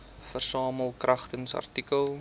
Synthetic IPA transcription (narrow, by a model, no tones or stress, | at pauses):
fərsɑːməlˠkrɐχtənsɐ̰rtikəlˠ